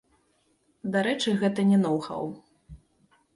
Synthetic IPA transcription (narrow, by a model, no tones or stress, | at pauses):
d̪aɾɛt͡ʂɨɣɛt̪ɐnʲɛnɔwxɐ̰w